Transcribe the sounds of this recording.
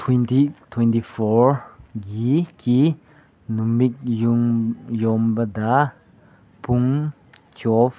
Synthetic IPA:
t̪ʰwɛnt̪it̪ʰwɛ̃ntifɔɹɡiki | nummik̚ | jɔmbɐd̪ɐ | puŋ | t͡ʃɔf

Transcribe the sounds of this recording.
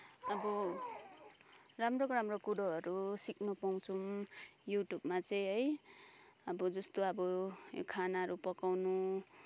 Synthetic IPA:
ʌbʌ | ramrokoɾamrokuɽoɦʌɾusik̚nopaw̃t͡sʰumjuʈjubmat͡sʌj̃ɦʌj | ʌbʌd͡zʌst̪oʌbʌjo̰kʰanaʌɾupʌkawnu

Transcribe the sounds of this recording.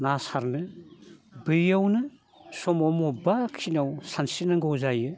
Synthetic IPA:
nasaɾnɯ | bɯjawnɯ | sɔmɔmobakʰinawsansinaŋɡowzajɯ

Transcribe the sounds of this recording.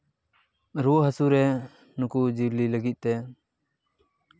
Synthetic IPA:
ɾuɦəsuɾɛ | nukud͡ʒiɾliləɡit̪̚ˀt̪ɛ

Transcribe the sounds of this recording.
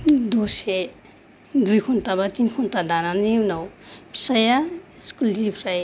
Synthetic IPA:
d̪ose | d̪ujkʰont̪abat̪inkʰontad̪ananimnawpʰi̥sajaskulipʰɾaj

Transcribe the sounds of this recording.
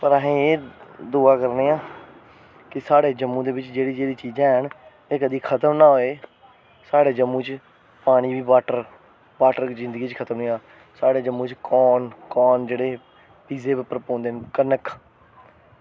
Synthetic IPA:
pəɾəɦẽːeːd̪uːaːkəɾneːãː | kɪsaːɽeːd͡ʒəmːũːd̪eːbɪt͡ʃd͡ʒeːɽiːd͡ʒeːɽiːt͡ʃiːd͡ʒɛ̃ːɦən | eːkəd̪iːkʰət̪əmnaːɦoːeː | saːɽeːd͡ʒəmːũːt͡ʃ | paːɽ̃iːbiːʋaːʈəɾ | ʋaːʈəɾzɪ̃nd̪əɡiːt͡ʃkʰət̪əmniːãː | saːɽeːd͡ʒəmːũːt͡ʃkɔːnkɔːnd͡ʒeːɽeː | piːzeːbɪpəɾəpõːnd̪eɦnkənəkʰ

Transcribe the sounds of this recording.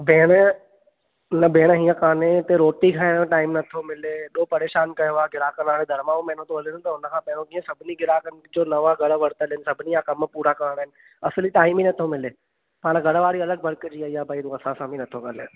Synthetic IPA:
beːɽ̃ | nəbʱeːɽ̃ɦĩːə̃kaːnet̪eɾoːʈikʰaːẽʈaːɪmnɐt̪ʰomɪleːɗoːpɐɾeːʃaːnkɐjoʋaɡʱɪɾaːkənaːɽed̪ʱɐɾmãõmɛ̃ːnõt̪oɦɐleõt̪ɐʊnəkʰãːpɛːɽ̃õkiə̃sɐbʱɪniɡɪɾaːkənd͡ʒoːnɐʋaɡʱɐɽʋɐɽt̪əlɦɪnɪsɐbʱɪniãkɐmpuːɾakaːəɽ̃ɦɪnɪ̆ | ɐsliʈaːɪminɐt̪ʰomɪleː | paːɽ̃ɡɐɽʋaːɽiɐləɡ̚bɐɾkd͡ʑiːaːiaːbʱaːit̪uɐsãsãːbʱinɐt̪ʰokəle

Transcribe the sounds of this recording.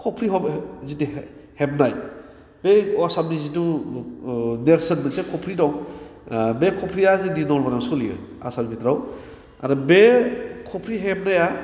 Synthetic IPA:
kʰɔpʰɾiɦɔbzitihep̚naj | beɔsamnizitu | neɾsenbɯsekʰɔpʰɾidɔŋ | bekʰɔpʰɾiazidinɔlbaɾamsuliɯ̰ | a̰sanibʰitɾaw | a̰ɾɔbekʰɔpʰɾiɦep̚naja

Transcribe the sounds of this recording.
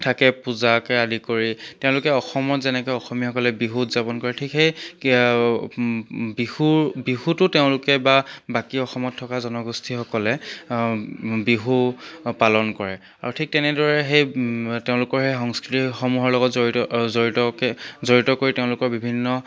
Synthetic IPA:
tʰakɛpuzakɛadikoɹiteʊ̃lʊkɛɔxɔmɔtzɛnɛkɔjɔxɔmixɔkɔlɛbiɦutzapɔnkɔɹɛtʰikxej | bihubiɦutʊteʊ̃lʊkɛbabakiɔxɔmɔtʰːɔkazɔnɔɡustʰixɔkɔlɛ | biɦupalɔnkɔɹɛ | aɹutʰik̚tɛnɛdɔɹɛɦejteʊ̃lʊkɔɹxejxɔŋskɹitixomuɦɔɹlɔɡɔtzozoɹitɔkɛzoɹitɔkoɹiteʊ̃lʊkɔɹbibʱinːɔ

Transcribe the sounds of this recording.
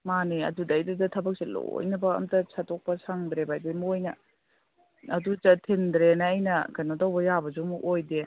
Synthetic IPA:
maniɐ̰dudɐːjdudɐtʰɐbɐk̚selo̰jnɐbɐɐ̰mtɐsʰatʰɔk̚pɐsaŋdɾebajdemojnɐ | ɐduzɐtʰendɾenɐːjnɐkɐnodɐwbɐjabɐzumuʔojde

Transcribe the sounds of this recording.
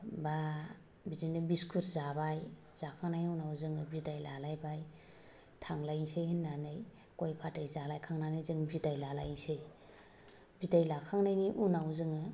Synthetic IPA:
ba | bidinɯbiskʰuɾzabaj | z̥akʰaŋnajniunawzɯŋɯbidajlalajbaj | tʰaŋlajsejhinːanɯj | kojpʰatajzalajkʰaŋnanɯjzɯŋbidajlala̰jnsej | bidajlakʰaŋnajniʔunawzɯŋɯ

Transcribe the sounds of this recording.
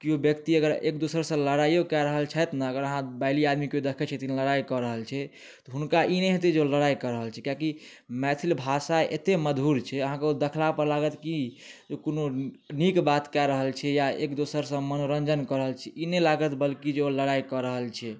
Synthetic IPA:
kiobjəkt̪iəɡəɾḛk̚d̪usəɾsə̃ləɽajokɛɾəɦəlt͡ʃʰɛt̪nəəɡəɾəɦãbaliad̪mikeod̪ekʰɛt͡ʃʰɛt̪ineləɽaijkɔɾəɦəlt͡ʃʰɛ | t̪ɔɦunkaʔineɦet̪̬ed͡ʒeoləɽaikəɾəɦəlt͡ʃʰɛkiaki | mɛt̪ʰilbʱasaḛt̪eməd̪ʱuɾt͡ʃʰɛəɦãkeod̪ekʰlapəɾlaɡət̪kid͡ʒokono | nikbat̪kɛɾəɦəlt͡ʃʰɛjaekd̪usəɾsə̃mənoɾənd͡ʒənkəɾəɦəlt͡ʃʰɛʔinelaɡət̪bəlkid͡ʒeoləɽaikəɾəɦəlt͡ʃʰɛ

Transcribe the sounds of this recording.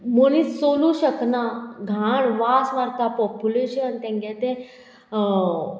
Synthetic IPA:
monisːoːluɕəknaɡʱaɳʋaːsʋaɾt̪apɔpuleɕəənt̪ẽŋɡat̪e

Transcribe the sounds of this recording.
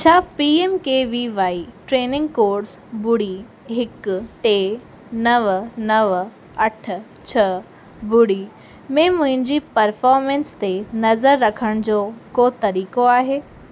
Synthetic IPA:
t͡ɕʰaːpiːeːmkeːʋiʋaːiʈɾeːnɪ̃ŋɡkoːɖs | bʊɽi | ɦɪkʈeː | nɐʋnɐʋ | ɐʈʰ | t͡ɕʰɐ | bʊɽi | mẽmʊ̃ɦɪ̃ɲd͡ʑipɐɾfɔːɾmẽnst̪enɐzəɾːɐkʰəɽ̃d͡ʑoːkot̪ɐɾiːkoaːɦeː

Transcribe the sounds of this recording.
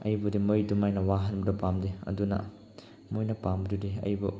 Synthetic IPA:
ɐjbudimɯjdumajnɐwaɦɐnbudɐpamdeɐ̰dunɐ̰ | mojnɐpamdudiɐ̰jbu

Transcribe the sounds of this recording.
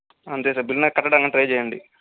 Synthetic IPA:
ɐnd̪es̬ɐbilnɐkɐʈːɐɖaŋɡɐɳʈɾɐjd͡ʒɛːjɐɳɖi

